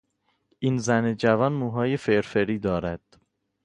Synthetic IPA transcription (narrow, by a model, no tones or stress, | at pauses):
ʔinzæned͡ʒævɒːnmuːɦɒːje̞feɾfeɾiːd̪ɒːɾæd̪̥